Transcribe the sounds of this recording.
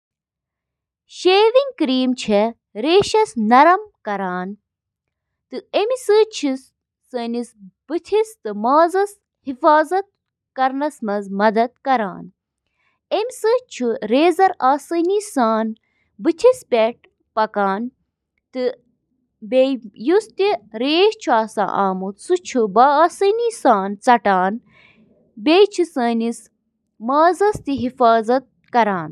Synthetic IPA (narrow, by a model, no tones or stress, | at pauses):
ʃeːʋiŋɡkɾiːmt͡ʃʰɛ | ɾeːʃɐsnɐɾɐmkɐɾaːn | t̪ɨemisɨt͡ʃʰisː | ənisb̥ɨt̪ʰist̪ɨmaːzɐs | hifaːzɐt̪̚ | kɐɾnɐsmɐzmɐd̪ɐd̪̚kɐɾa̰ːn | emisɨt͡ʃʰuɾeːzɐɾaːsɨnisaːn | bɨt̪ʰispʲɛʈ̚ | pɐkaːn | t̪ɨ | bejust̪iɾeːht͡ʃʰaːsã̰ːʔaːmut̪sut͡ʃʰubaaːsɨniːsaːnt͡sɐʈaːn | bʲeːt͡ʃʰisəːnis | maːzɐst̪iɦifaːzɐt̪̚ | kɐɾaːn